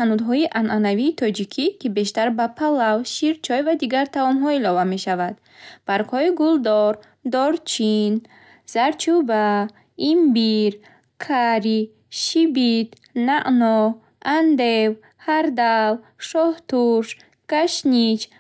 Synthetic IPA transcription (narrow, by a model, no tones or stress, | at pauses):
anud̪ɦɔiʔanʔanaviːt̪ʰɔd͡ʒikʰikʰibe̞ʃt̪aɾbapʰalawʃiɾt͡ʃʰɔjvad̪iɡaɾt̪ʰavɔmɦɔilɔvame̞ʃavad̪̥ | b̥aɾkhɔiɡuld̪ɔɾ | d̪ɔɾt͡ʃʰin | z̥aɾt͡ʃʰuba | imbiɾ | kʰaɾi | ʃibid̪ | naʔnɔ | and̪ew | haɾd̪alʃɔht̪uɾʃ | ɡ̥aʃnit͡ʃ